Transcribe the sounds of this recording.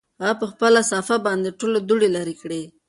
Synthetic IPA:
ɣapəxpəlasɑfabɑnd̪eʈolod̪uɽelaɾikɽe

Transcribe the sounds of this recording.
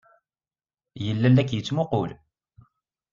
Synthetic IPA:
jəlːælːækːjət͡sːmʊqʊl

